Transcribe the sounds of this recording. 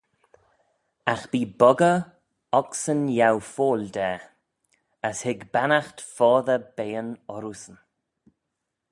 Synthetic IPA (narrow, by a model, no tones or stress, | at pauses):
axb̥iːbɔɡə | ɔksənjawfoːld̪ɛː | əshɪɡbanaxtfɔːðəbeːənɔɾusən